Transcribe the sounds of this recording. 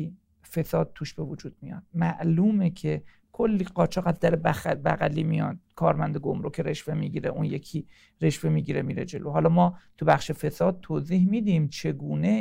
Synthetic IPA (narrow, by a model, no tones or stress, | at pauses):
i | fe̞sɒːd̪̚t̪ʰuːʃb̥e̞vod͡ʒuːd̪̚mijɒ̰ːd̪̥̚mæʔluːmecʰe̞ | kʰo̞lːiːɢɒːt͡ʃʰɒːɣæzd̪æɾebæbæ̰ɣæliːmijɒ̰d̪̥̚kʰɒːɾmænd̪eɡomɾokʰeɾe̞ʃve̞miːɟiɾḛʔunjekʰiː | ɾe̞ʃve̞miːɟiɾemiːɾed͡ʒe̞lʔoɦɒːlɒːmɒːt̪ʰubæχʃefe̞sɒːd̪̥̚t̪ʰoːziːhmiːd̪imt͡ʃʰe̞ɡuːne̞